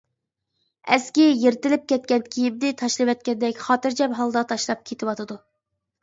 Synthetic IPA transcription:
ɛskʲijeɾt̪ɪlɪp̚kʲʰɛt̪̚kʲɛnkʲʰijib̚d̪ɪt̪ʰɑʃlˠɨwɛt̪̚kʲɛnd̪ɛkʲχɑːt̪ɨɾd͡ʒʰɛmɦɑlˠd̪ɑt̪ʰɑʃlˠɑp̚kʲʰet̪ʰɪwɑt̪ʰɨd̪u

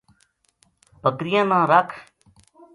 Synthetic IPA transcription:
pəkɾɪjãːnãːɾəkʰ

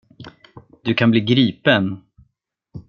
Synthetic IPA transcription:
d̪ɵkʰanbliːɡɾiːpən

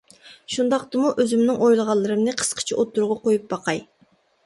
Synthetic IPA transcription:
ʃund̪ɑqt̪ɨmuʔøzymnɪŋojlˠəʁɑlˠːɨɾɨmnɨqʰə̥sqʰə̥t͡ʃʰiʔot̪ːuɾʁɑqojup̚bɑqʰɑj

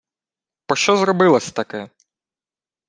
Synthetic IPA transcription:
pɾɔʃt͡ʃɔzrɔbɪlˠɐsʲɐ̥t̪ɐkɛ

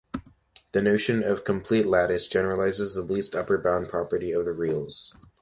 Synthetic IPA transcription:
ðɨnoʊʃɨ̃nʌv̥kʰɨ̃mpʰl̥itˡlæɾɨsd̥ʒ̥ɛnə˞əlaɪzɨzðəlistʌpə˞bãʊ̃npʰɹ̥ɑpə˞ɾiʌvðɨɹilˠz̥

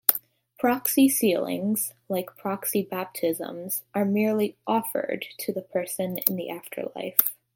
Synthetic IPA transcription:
pʰɹ̥ɑksisilˠɪ̰̃ŋz̥ | laɪkpʰɹ̥ɑksibæp̚tʰɪzə̰̃mz̥ʔə˞mɪɹlˠiʔɔfə̰˞d̚tʰɨðəpʰɜ˞sɨ̃nɪ̰̃nðḭʔæftʰə̰˞la̰ɪf

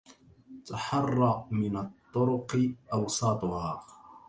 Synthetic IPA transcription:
t̪aħɑrˤːɑmɪnat̪ˤːʊɾʊqɨʔɑwsˤɑːt̪ˤʊhaː

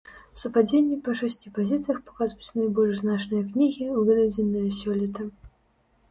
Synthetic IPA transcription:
sɐpad͡zʲenʲːipɐʂasʲt͡sʲipazʲit̪sɨjɐxpḁkazvut͡sʲnajbɔlʲʐznat͡ʂnɨjɐknʲiɣʲiuvʲɛd̪ʲad͡zʲinːɨjɐsʲɔlʲit̪ɐ

